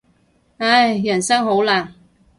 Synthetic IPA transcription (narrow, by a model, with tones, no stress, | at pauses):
a˥˩jjɐ˨˩nsɐ˥ŋɦo˨˥wlaː˨˩ŋ